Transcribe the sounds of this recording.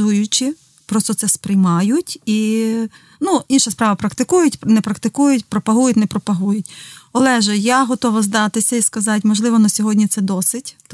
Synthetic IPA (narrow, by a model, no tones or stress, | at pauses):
ujʊt͡ʃi | pɾɔst̪ɔt̪sɛspɾɪjmɑjʊtʲi | nuinʃɐspɾɑʋɐpɾɐkt̪ɪkujʊtʲnɛpɾɐk̚t̪ɪkujʊtʲpɾɔpɐɦujʊtʲnɛpɾɔpɐɦujʊtʲɔlˠɛʒɛjaɦɔt̪ɔʋɐzd̪ɑt̪ɪsʲɐiskɐzɑtʲmɔʒlˠɪʋɔnɐsʲɔɦɔdʲnʲit̪sɛd̪ɔsɪtʲ